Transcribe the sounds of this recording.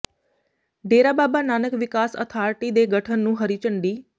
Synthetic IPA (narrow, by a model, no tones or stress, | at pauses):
ɖeːɾaːbaːbaːnaːnəkʋɪkaːsə̰t̪ʰaːɾʈiːd̪eːɡəʈʰənːũːɦəɾiːt͡ʃəɳɖiː